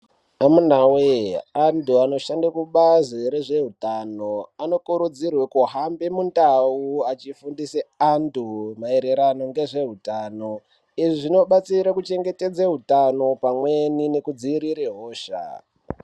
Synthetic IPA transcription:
amunaweantuano̞ʃandakuɓaziɾe̞ʐe̞ɦutano̞ano̞kuɾud͡zirwekuɦambemundauat͡ʃifundiseantumae̞ɾe̞ɾano̞ŋɡe̞ʐe̞ɦutaːno̞ | iʐiʐino̞ɓat͡siɾakut͡ʃe̞ŋɡe̞te̞d͡zaɦutano̞pamwenine̞kud͡ziiɾiɾeɦoːʃa̰

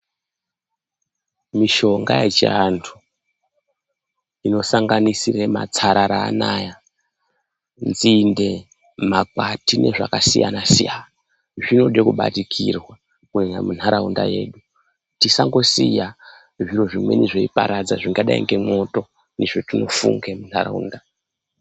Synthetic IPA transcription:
miʃo̞ŋɡa̰jḛt͡ʃḭantʰu | ino̞saŋɡanisirema̰t͡saɾaɾa̰ːnaːja | nzinde̞ | makatine̞̰ʐa̰kasija̰nasijana | ʐino̞ɗekuɓa̰tikʰirwa | kuena̰mun̤haɾaundaje̞̰ːɗu | tisaŋɡo̞sija | ʐiro̞ʐimwe̞̰niʐeipa̰ɾad͡zaʐiŋɡaɗaḭŋɡe̞mo̞to̞ | neʐotino̞fṵŋɡemun̥hara̰ṵːnda

